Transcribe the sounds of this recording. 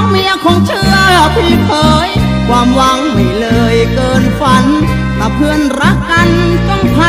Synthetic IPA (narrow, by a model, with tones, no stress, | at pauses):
mi˧˩əkʰɔː˨˦ŋt͡ɕʰɯː˧˩əəpʰiː˧˩p̪ʰɤː˨˦j | kʰwaː˧mwa˧˦˥ŋmi˧˩lɤː˧jkɤː˧nfa˧˦˥n | t̪a˧˩pʰɯ˧ənɾa˦˥kːa˧nt͡ɕɔ˧˥˩ŋpʰa˧˥